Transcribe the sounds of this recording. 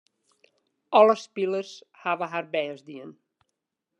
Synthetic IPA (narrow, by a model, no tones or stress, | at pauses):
ʔɔləspilərshaʋəɦarbɛəzdiən